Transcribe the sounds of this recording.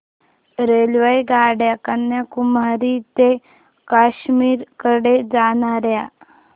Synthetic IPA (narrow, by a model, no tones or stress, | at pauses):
ɾelʋajɡaɽjakənːjakumaɾit̪e | kaɕmiːɾkəɽed͡zaɽ̃aɾja